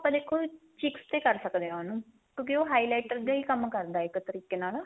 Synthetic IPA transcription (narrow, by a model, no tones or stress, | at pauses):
apãːd̪eːkʰoːt͡ʃɪkst̪eːkəɾsəkd̪eːaːnũː | kʲjõːkioːɦaːiːlaːʈəɾɡaiːkəmkəɾd̪aːɪkt̪əɾiːkeːnaːla